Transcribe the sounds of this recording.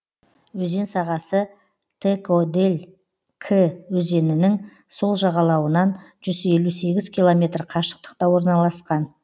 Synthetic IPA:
wɵze̞nsɑʁɑsə | t̪ʰekod̪e̞lʲ | kʰewɵze̞nɪnɪŋ | so̞lˠʒɑʁɑlˠɑwənɑnʒ̥ʏze̞luse̞ɡʲɪz̥kʲʰilˠo̞mʲe̞t̪rqʰɑʃə̥q̚t̪ə̥qt̪ɑwo̞ɾnɑlˠɑsqɑn

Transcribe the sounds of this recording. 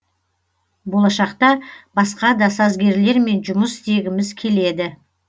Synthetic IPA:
bo̞lˠɑʃɑqt̪ɑbɑsqɑd̪ɑsɑzɡʲe̞ɾle̞ɾme̞nʒʊməst̪e̞ɡʲɪmɪzkʲʰe̞le̞d̪ɪ

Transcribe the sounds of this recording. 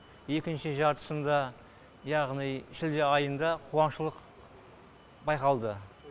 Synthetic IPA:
je̞kʲɪnʃɪʒɑɾt̪ə̥sənd̪ɑ | jɑʁnijʃɪld̪eɑjənd̪ɑqʰuwɑnʃəlˠəq | bɑjqɑlˠd̪ə

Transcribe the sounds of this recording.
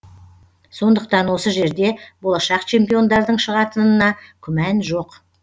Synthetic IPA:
so̞nd̪əqt̪ɑnwo̞səʒe̞ɾd̪e̞bo̞lˠɑʃɑqt͡ʃʰe̞mpijo̞nd̪ɑɾd̪əɴʃəʁɑt̪ənənɑkʲʰʏmænʒo̞q

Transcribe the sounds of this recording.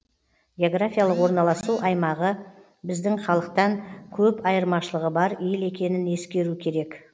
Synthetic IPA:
ɡʲeo̞ɡrafʲijalˠəqwo̞ɾnɑlˠɑsuʔɑjmɑʁə | bɪzd̪ɪŋχɑlˠəq̚t̪ɑŋkʲʰɵpɑjəɾmɑʃəlˠəʁəbɑɾele̞kʲe̞nɪne̞skʲe̞ɾukʲʰe̞ɾe̞k

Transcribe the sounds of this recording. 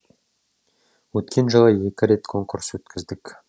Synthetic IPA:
wɵt̪kʲʰe̞nʒɑlˠɑje̞kʲɪɾe̞t̪kʰo̞ŋkʊɾswɵt̪kʲʰɪzd̪ɪkʲ

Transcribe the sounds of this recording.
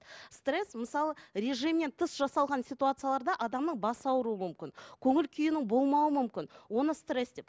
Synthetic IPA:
st̪re̞sməsɑlˠəɾʲe̞ʐimne̞nt̪ʰəsʒɑsɑlˠʁɑnsʲijt̪uat̪sɨjalˠɑɾd̪ɑʔɑd̪ɑmnəɴbɑsɑwɾuəmʏmkʲɪnkʲʰɵŋɪlkʲʰʏjɪnɪŋbo̞lˠmɑwəmʏmkʲɪnwo̞nəst̪re̞sd̪e̞p

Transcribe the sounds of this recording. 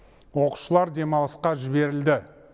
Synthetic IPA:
wo̞qu̥ʃəlˠɑɾd̪e̞mɑlˠəsqɑʒɪbe̞ɾɪld̪ɪ

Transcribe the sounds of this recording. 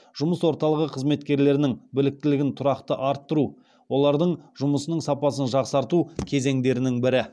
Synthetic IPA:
ʒ̥ʊməswo̞ɾt̪ɑlˠəʁəqʰəzme̞t̪kʲe̞ɾle̞ɾɪnɪŋbɪlɪk̚t̪ɪlɪɡʲɪnt̪ʰʊɾɑqt̪əʔɑɾt̪ːəɾu | wo̞lˠɑɾd̪əɴʒʊməsənəɴsɑpɑsənʒɑqsɑɾt̪ukʲʰe̞ze̞ŋd̪e̞ɾɪnɪŋbɪɾɪ

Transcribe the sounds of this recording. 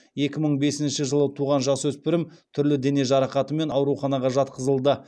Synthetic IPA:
je̞kʲɪməɴbe̞sɪnʃɪʒəlˠət̪ʰuʁɑnʒɑswɵspɪɾɪmt̪ʰʏɾlɪd̪e̞ne̞ʒɑɾɑqɑt̪əme̞nɑwɾuχɑnɑʁɑʒɑt̪qəzəlˠd̪ə

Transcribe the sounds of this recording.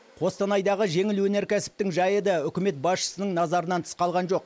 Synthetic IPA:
qʰo̞st̪ɑnɑjd̪ɑʁəʒe̞ŋɪlwɵne̞ɾkʲʰæsɪ̥p̚t̪ɪŋʒɑjəd̪ɑʏkʲɪme̞t̪̚bɑsʃə̥sənəɴnɑzɑɾənɑnt̪ʰə̥sqɑlˠʁɑnʒo̞q̚

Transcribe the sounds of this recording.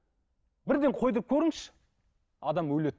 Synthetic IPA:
bɪɾd̪e̞ɴqʰo̞jd̪əɾəp̚kʲʰɵɾɪŋʃɪ̥ | ɑd̪ɑmwɵlet̪

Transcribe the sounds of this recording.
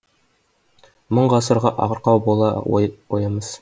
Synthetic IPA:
moɴɢɑsɤ̆ɾʁɑʔɒ̰ʁɤ̆ɾqɑwbulˠɑ̰ujɤ̆mɤz̥

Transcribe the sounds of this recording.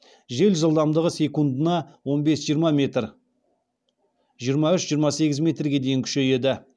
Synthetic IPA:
ʒe̞lʒəlˠd̪ɑmd̪əʁəse̞kund̪ənɑwo̞nbe̞sʒijəɾmɑmet̪ | ʒijəɾmɑʏʃʒijəɾmɑse̞ɡʲɪzmʲe̞t̪rɡʲe̞d̪e̞jɪŋkʲʰʏ̥ʃe̞je̞d̪ɪ

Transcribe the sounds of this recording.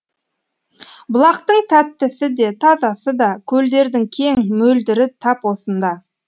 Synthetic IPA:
bʊlˠɑqt̪əɴt̪ʰæt̪ːɪsɪd̪e̞t̪ʰɑzɑsəd̪ɑkʲʰɵld̪e̞ɾd̪ɪŋkʲʰe̞ŋmɵld̪ɪɾɪt̪ʰɑpwo̞sənd̪ɑ

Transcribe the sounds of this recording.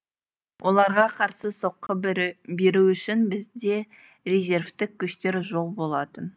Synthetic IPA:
wʔo̞lˠɑɾʁɑqʰɑɾsəso̞qːəbe̞ɾuʏʃɪnbɪzd̪e̞ | rezʲe̞ɾft̪ɪk̚ʲʰːʏʃt̪e̞ɾʒo̞lˠbo̞lˠɑt̪ən

